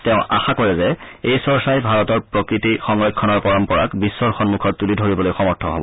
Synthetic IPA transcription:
tɛʊ̃a̰xakɔɹɛzɛejsɔɹsajbʱaɹɔtɔɹpɹokɹitixɔŋɹekʰːɔnɔɹpɔɹɔmpɔɹa̰kbisːɔɹxɔnmukʰɔt̚tulidʱoɹibɔlojxɔmɔɹtʰɔɦo̰bɔ̰

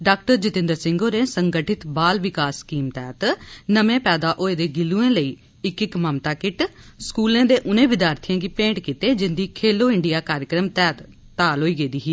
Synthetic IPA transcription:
ɖaːk̚ʈəɾd͡ʒɪt̪ɪ̃nd̪əɾsɪ̃ŋɡoːɾẽːsəŋɡəʈʰɪt̪baːlʋɪkaːsːkiːmt̪ɛːt̪nəmẽːpɛːd̪aːʔoːeːd̪eːɡɪluːẽːləiː | ɪkɪkməmt̪aːkɪʈskuːlẽːd̪eːʔʊnẽːʋɪd̪jaːɾt̪ʰijãːɡiːpẽːɳʈkiːt̪eːd͡ʒɪnd̪iːkʰeːloːɪɳɖɪjaːkaːɾəkɾəmt̪ɛːt̪ː | aːlɦoːiːɡeːd̪iːɦiː

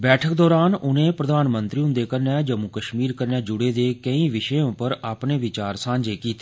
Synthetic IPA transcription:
bɛːʈʰəkd̪ɔːɾaːnʊnẽːpɾəd̪aːnmə̃nt̪ɾiːʊ̃nd̪eːkəɾnɛ̃ːd͡ʒəmukəʃmiːɾkəɾnɛːd͡ʒʊɽeːd̪eːkəĩːʋɪʃəõːpəɾaːpneːʋɪt͡ʃaːɾsãːɲd͡ʒeːkiːt̪e̥ː

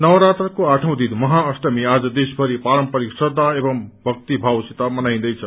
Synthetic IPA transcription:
nʌwɾat̪ɾəkoaʈʰəw̃d̪id̪mʌɦaəsʈəmiad͡zʌd̪esbʱəɾipaɾəmpəɾiksəd̪aebʌmbʱʌk̚t̪ibʱawsit̪amənaj̃nd̪ʌjt͡sʰə

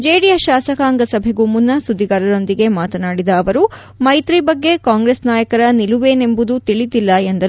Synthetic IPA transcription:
d͡ʒeːɽijɐʃaːsɐkaːŋɡɐsɐbʱeɡumunːɐsud̪ʱːiɡaɾɐɾo̞nd̪iɡe̞maːt̪ɐnaːɽid̪ɐːʋɐɾu | mɐjt̪ɾibɐɡːe̞kaːŋɡɾesnaːjɐkɐɾɐniluʋeːne̞mbud̪ut̪iɭid̪ilːɐend̪ɐɾu

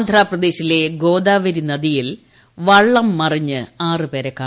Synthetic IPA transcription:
nd̪ʱraːprɐd̪e̞ːɕile̞ɡo̞ːd̪aːʋɐɾinɐðijil | ʋɐɭːɐmːɐriɲːɨaːrɨpe̞ːɾekːaː

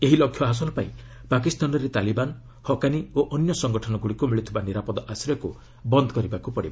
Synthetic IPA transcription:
eɦilɔkʰːjɔɦas̬ɔlɔpajipak̬ist̪anɔɾet̪aliban | hɔkanioʔɔnjɔsɔŋɡɔʈʰɔnɔɡuɽikumiɭit̪ʰibaniɾapɔd̪ɔʔasɾjɔku | bɔnd̪ɔkɔɾibakupɔɽiba

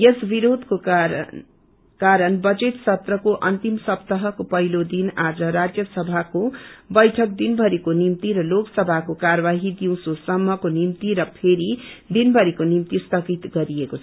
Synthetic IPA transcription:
jesbiɾod̪ko | kaɾʌnbʌd͡zet̪sʌt̪rʌkoʔʌnt̪imsʌpt̪ʌɦʌkopʌɦilod̪inad͡zʌɾad͡zjʌsʌbʱakobʌjʈʰʌk̚d̪inbʱʌɾikonimt̪iɾʌloksʌbʱakokaɾʌβaɦid̪iw̃sosʌmːʌkonimt̪iɾʌpʰeɾid̪inbʌɾikonimt̪ist̪ʌkit̪ɡʌɾiekot͡sʰʌ

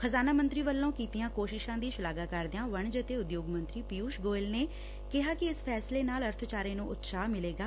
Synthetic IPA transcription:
xʰəzaːnaːmənt̪ɾiːʋəlːõːkiːt̪ɪjãːkoːʃɪʃãːd̪iːʃʊlaːɡaːkəɾd̪eãːʋəɳd͡ʒət̪eːʊd̪joːɡmə̃nt̪ɾiːpiuːʃɡoːɪlneː | kɪɦaːkɪɪspʰɛːsleːnaːləɾt̪ʰt͡ʃaːɾẽːnũːʔʊt̪saːmɪleːɡaː

